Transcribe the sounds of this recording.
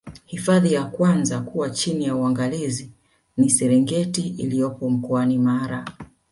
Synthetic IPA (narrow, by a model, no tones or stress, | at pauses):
hifaðijakwanzakuwat͡ʃinijauaŋɡalizi | nisɛɾɛŋɡɛtiʔilijɔpɔm̩kɔanimaɾa